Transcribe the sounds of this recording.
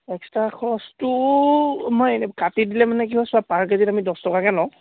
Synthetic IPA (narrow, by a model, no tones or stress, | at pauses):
ɛkstɹakʰɔstʊ | mɔjkatidilɛmanɛkiɦɔsʊapaɹkazitamidɔstɔkakɛnɔʊ̃